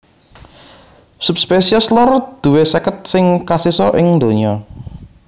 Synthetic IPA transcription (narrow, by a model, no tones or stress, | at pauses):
sup̚spesiɔslɔrd̪̥ṳwesɛkət̪̚sɪŋkasisɔʔɪŋnd̪oɲɔ